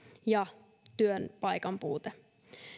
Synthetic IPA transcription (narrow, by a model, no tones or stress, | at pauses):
jɑ | t̪yønpɑjkɑmpṵːt̪e